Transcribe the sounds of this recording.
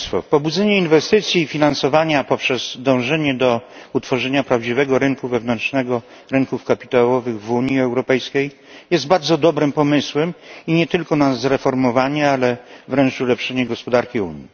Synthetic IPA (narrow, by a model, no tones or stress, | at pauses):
fɔ̰pɔbud̪zɛɲɛinvɛst̪ɘt̪sʲjiːfʲinansɔvaɲapɔpʂɛz̥d̪ɔ̃w̃ʐɛɲɛd̪ɔut̪fɔʐɛɲapɾavd͡ʑivɛɡɔɾɘŋkuvɛvnɛnt͡ʂnɛɡɔ | ɾɘŋkufkapʲi̥t̪awɔvɘɣvuɲiɛwɾɔpɛjskʲej | jɛst̪̚baɾd̪zɔd̪ɔbɾɘmpɔmɘswɛmiɲɛt̪ɘlkɔnazɾɛfɔɾmɔvaɲɛalɛvɾɛnt͡ʂulɛpʂɛɲɛɡɔspɔd̪aɾkʲiuɲi